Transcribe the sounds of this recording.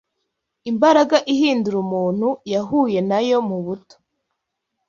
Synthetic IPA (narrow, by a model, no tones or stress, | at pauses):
imbaɾaɡaʔihiːnduɾumuːn̥hujaɦuːje̞najo̞muβuto̥